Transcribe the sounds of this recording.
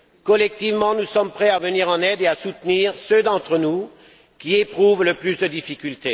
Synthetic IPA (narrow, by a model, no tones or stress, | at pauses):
kɔlɛk̚t̪ivmɑ̃nusɔmpχɛavəniʁɑ̃nɛd̪easut̪niʁsød̪ɑ̃t̪χənu | kʲiepχuvləplysd̪əd̪ifikʲylt̪e